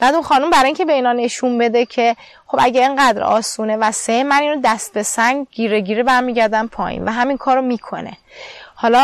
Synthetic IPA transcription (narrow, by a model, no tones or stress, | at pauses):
b̥æd̪unxɒːnumbæɾɒiːɲcʲʰe̞be̞iːnhɒːne̞ʃunbe̞d̪e̞cʰe̞ | χo̞bæɟeeŋɢæd̪ɾɒ̰ːsuːne̞væsejemæniːnɾud̪æst̪̚be̞sæŋɡɡiːɾeɟiːɾebæɾmiːɟæɾd̪ænpʰɒ̰ːjḭnvæɦæmiŋkʰɒːɾomiːkʰo̞̰ne̞̰hɒːlɒ